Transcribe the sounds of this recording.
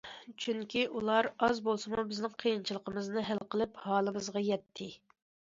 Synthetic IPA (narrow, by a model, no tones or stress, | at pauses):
t͡ʃʰyŋkʲiʔulˠɑɾɑzbolˠsɨmubɪznɪŋqʰəjint͡ʃʰilˠəqəmɨznɨɦælqʰəlˠɪphɑːlˠɨmɨzʁɑjɛt̪ʰːɪ